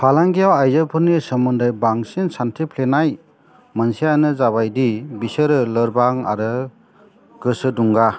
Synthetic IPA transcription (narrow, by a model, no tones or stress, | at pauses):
pʰalaŋɡijawajzɯpʰɯnisəmundajbaŋsinsantʰipʰlenaj | mansijanɯzaβajdibisɯɾɯləɾbaŋa̰ɾɯ | ɡ̥ɯsɯduŋɡa